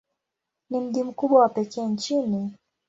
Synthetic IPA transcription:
nim̩ʄim̩kuɓwawapɛkɛːnt͡ʃini

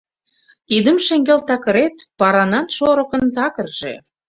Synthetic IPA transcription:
id̪ə̆mʃeŋɡelt̪ɑkə̆ɾet̪pɑɾɑnɑnʃoɾɤ̆kə̆nt̪ɑkə̆rʒ̥ḛ

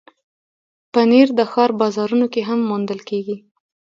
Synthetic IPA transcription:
pəneɾd̪əxɑɾbɑzɑɾunokeɦamːund̪əlkeɡi

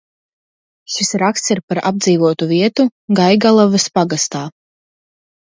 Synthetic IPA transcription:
ʃisɾakst̪siɾpaɾa̰b̚d̪ziːvuɔt̪uviɛt̪uɡajɡalˠɔvɨspaɡast̪aː

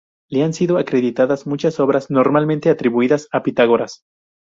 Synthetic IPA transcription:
leansiðoakɾe̞ðit̪aðazmut͡ʃaso̞βɾazno̞ɾmalmẽnt̪e̞at̪ɾiβuiðasapit̪aɣ̞o̞ɾas

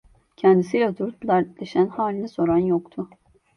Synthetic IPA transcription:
cʰɛnd̪isilʲad̪ʰuɾut̪d̪aɾt̪lʲeʃænhaːlʲinʲɛso̞ɾanjokt̪ʰʊ

